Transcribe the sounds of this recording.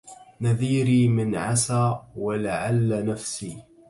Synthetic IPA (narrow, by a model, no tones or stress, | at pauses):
naðiːɾiːmɪnʕa̰saːwalaʕalːanafsiː